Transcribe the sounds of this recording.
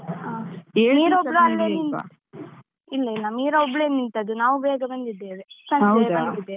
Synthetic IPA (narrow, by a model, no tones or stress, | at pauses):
aːeːniːɾoɭuɐlːeːnin | ilːɐilːɐmiːɾɐobːɭenːint̪ɐd̪unaːʋubɛːɡɐbɐnd̪id̪ːeːʋesɐnɐɛd̪ːbɐnd̪id̪e